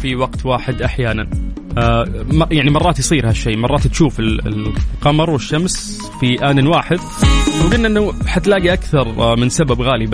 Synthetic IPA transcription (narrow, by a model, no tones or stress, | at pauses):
fiwɑɡt̪waːħɪd̪ʔaħjaːnan | mjaʕnimɑrˤːɑːt̪jsˤiːɾhaʃːeːmɑrˤɑːt̪t̪ʃuːfɪl̰qɑmɨɾˤwɪʃːams | fiʔaːnɪnwaːħɪd̪̚ | wɡɪnːʔɪnːaħat̪laːɡiʔakθɑɾˤmɪnsababɣaːlib